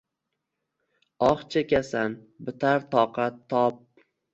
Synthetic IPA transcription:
ɒχt͡ʃʰakʲasan | bɪt̪ʰaɾt̪ʰɒqʰɑt̪ʰːɒp̚

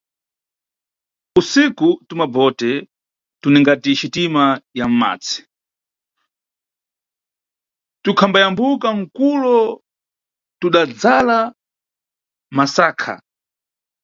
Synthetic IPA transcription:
usikutumabɔtɛ | tunɛŋɡatit͡ʃitimajam̩ma̰ːt͡si̥ | tukʰambajambukaŋ̩kulɔ | tuɗad͡zala | masaːkʰa̰

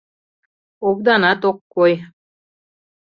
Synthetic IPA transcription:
oβd̪ɑnɑt̪okːoj

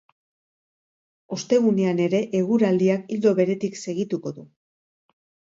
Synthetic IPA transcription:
o̞st̪e̞ɣ̞uneane̞ɾe̞ʔeɣuɾald̪iakild̪o̞βe̞ɾe̞t̪ikse̞ɣ̞it̪uko̞ðu

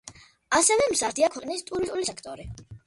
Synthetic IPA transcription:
asɛvɛmzaɾt̪ʰiakʰɔnist̪ʼuɾist̪ʼulisɛkʰt̪ʼɔɾi

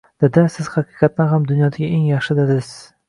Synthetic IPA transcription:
d̪̥ed̪ɪsɪz̥χɑqʰɨqɑt̪̚nɪhamd̪ʊnjɒd̪aɡʲaʔeŋjɑχʃɪd̪ɪd̪ɪz̥

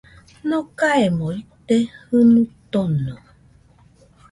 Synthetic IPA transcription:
nokaemõit̪ehɨnut̪onɨ

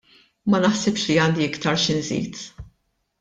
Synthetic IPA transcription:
mɐnɐħsɪpʃliɐːnd̪iɪkt̪ɐɾʃɪnzḭːt̪

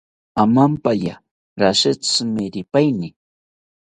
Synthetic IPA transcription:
amampaja̰ | ɾaʃɪt͡smɪɾɪpajnɪ

